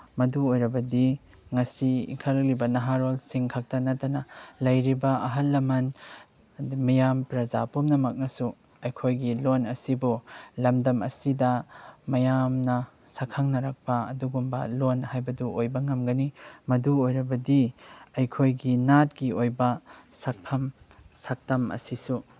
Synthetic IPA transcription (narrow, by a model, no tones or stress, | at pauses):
mɐduojɾɐbɐdi | ŋɐsiḭŋkʰɐlɐk̚libɐnɐɦaɾolsiŋkʰak̚tɐnɐtːɐnɐlɐjɾibɐɐɦɐlːɐmɐn | mɐjampɾɐzapomnɐmɐk̚nɐsu | ɐjkʰojɡilonɐsibulɐmdɐmɐ̰sidɐmɐjamnɐ | sɐkʰɐŋnɐɾɐk̚pɐɐ̰duɡumbɐ̰lonhajbɐduojbɐŋɐmɡɐnimɐduojɾɐbɐdiɐjkʰojɡinat̚ɡiojbɐsɐk̚pʰɐm | sak̚tɐmɐ̰sisu